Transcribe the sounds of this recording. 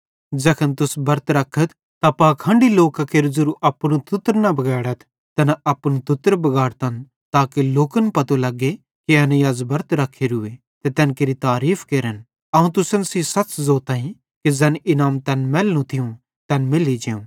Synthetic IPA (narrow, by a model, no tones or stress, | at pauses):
d͡ʒɐkʰənt̪ʊsbɐɾt̪ɾɐkʰːət̪ʰ | t̪apaːkʰãːɳɖiloːkakeːɾd͡ʒɐɾuʔɐpːñũt̪ʊt̪ːɾnɐbɐɡɛːɽət̪ʰ | t̪ɐnaɐpñũt̪ʊt̪ːɾbɐɡaːɽt̪ɐn | t̪aːkeloːkənpɐt̪olɐɡːe | keɐnjɐzbɐɾt̪ɾɐkʰːeɾɦʊe | t̪et̪ɛːnkeːɾit̪aːɾiːfʰkeːɾən | ɐũt̪ʊsənsisɐt͡ʃzoːt̪ɐːĩ | ked͡zɛːnɪnaːmt̪ɛːnmɛːlːũt̪ʰɪjũ | t̪ɛːnmɪlid͡ʒeːũ